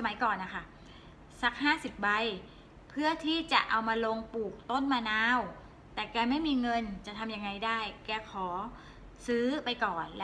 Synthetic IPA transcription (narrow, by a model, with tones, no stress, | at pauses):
sa˧ma˩˦jkɔː˨˩nːa˦˥kʰa˥˩ | sa˦˥k̚haː˥˩si˨˩p̚ba˧j | pʰɯ˥˩ət̪ʰiː˥˩t͡ɕa˨˩ʔa˧wmaː˧lo˧ŋpuː˨˩k̚t̪o˥˩nmaː˧naː˧˥˩w | t̪ɛː˨˩kɛː˧ma˥˩jmiː˧ŋɤ˧nt͡ɕa˨˩t̪ʰa˧mja˧ŋːa˧jdaː˥˩jkɛː˧kʰɔː˩˦ | sɯː˦˥pa˧jkɔː˨˩nl